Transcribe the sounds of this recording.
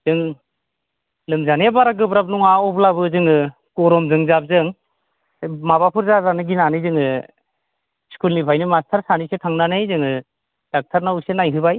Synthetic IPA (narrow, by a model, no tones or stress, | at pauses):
zɯŋ | lɯŋzanebaɾaɡɯbɾap̚nuŋaɔblabɯzɯŋɯ | kɔɾɔmzɯŋzab̚zɯŋ | mabapʰɯɾzazanɯɡinanɯzɯŋɯ | skulnipʰajnimastʰaɾsanisetʰaŋnanɯjzɯŋɯ | d̥ak̚tʰaɾnawusenajɦɯbaj